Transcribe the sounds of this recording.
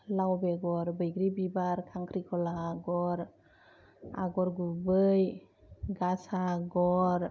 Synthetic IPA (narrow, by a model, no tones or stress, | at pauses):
lawbeɡɔɾbɯjɡɾibibaɾkʰaŋkʰɾikʰɔlaɡɔɾ | a̰ɡɔɾɡubɯj | ɡasaɡɔɾ